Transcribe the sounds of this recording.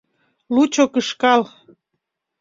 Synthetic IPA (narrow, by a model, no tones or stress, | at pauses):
lut͡ɕokəʃkɑl